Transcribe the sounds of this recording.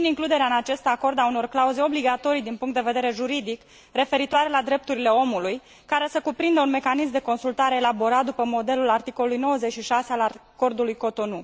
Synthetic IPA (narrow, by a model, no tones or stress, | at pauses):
iniŋklud̪e̞ɾeaɨnat͡ʃe̞st̪ako̞rd̪auno̞rklauze̞o̞bliɡat̪o̞ɾijd̪inpuŋkt̪d̪eve̞d̪e̞ɾe̞ʒuɾid̪ik | re̞fe̞ɾit̪oaɾe̞lad̪ɾe̞p̚t̪uɾile̞o̞muluj | kaɾe̞səkupɾind̪əunme̞kanis̬md̪e̞ko̞nsult̪aɾe̞ːlabo̞ɾat̪̚d̪upəmo̞d̪e̞lulart̪iko̞lulujno̞wəze̞t͡ʃʃiʃase̞alako̞rd̪ulujko̞t̪o̞nu